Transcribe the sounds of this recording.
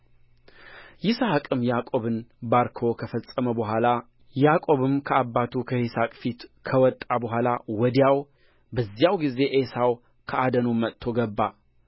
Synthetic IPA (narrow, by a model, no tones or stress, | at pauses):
jɪsahkʼɨmjakʼo̞βɨnbaɾkʰo̞kʰəfəsʼəməbəɦʷala | jakʼo̞βɨmkʰəabːat̪ʰukʰəhisakʼfit̪kʰəwɔt̪ʼːabəɦʷalawɔd̪ijaw | bəzːjawɡize̞ʔesaw | kʰəad̪ənomət̪ʰːo̞ɡəbːa